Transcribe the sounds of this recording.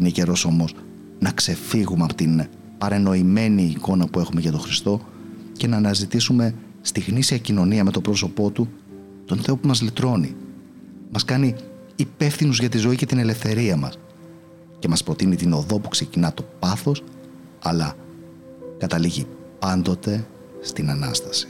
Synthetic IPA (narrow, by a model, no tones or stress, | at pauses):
inece̞ɾo̞so̞mo̞s | nɐkse̞fiɣumeɐpo̥t̪in | pɐɾe̞no̞ime̞niːko̞nɐpue̞xume̞ʝɐt̪o̞xɾist̪o̞ | ce̞nɐːnɐzit̪isume̞ | st̪iɣnisiɐcino̞niɐme̞t̪o̞pɾo̞so̞po̞t̪u | t̪o̞nθe̞o̞pumɐzlit̪ɾo̞ni | mɐskɐniː | pe̞fθinuzʝɐt̪izo̞ice̞t̪inele̞fθe̞ɾiɐmɐ̰s | ce̞mɐspɾo̞t̪init̪ino̞ðo̞pu̥kse̞cinɐt̪o̞pɐθo̞s | ɐlɐ | kɐt̪ɐliʝi | pɐnd̪o̞t̪e̞ | st̪inɐnɐ̰st̪ɐ̥si̥